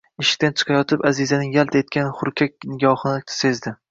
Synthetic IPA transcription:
ɪʃɪ̥k̚ʲt̪ant͡ʃʰɨ̥qʰɑjɒt̪ʰɪpazɪzanɪŋjalt̪ʰaet̪̚kʲanχʊɾkʲʰak̚ʲnɪɡʲɒhɨnɪse̞zd̪ɪ

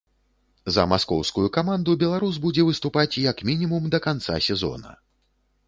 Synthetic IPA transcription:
zɐ̰maskɔ̰wskujukamand̪ubʲɛlˠaɾuzbud͡zʲɛvɨst̪upat͡sʲjɐkmʲinʲimumd̪ɐkant̪sa̰sʲɛzɔ̰nɐ̰

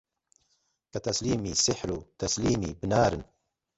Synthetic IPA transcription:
kat̪asliːmisɪħɾut̪asliːmibnaːɾɨn

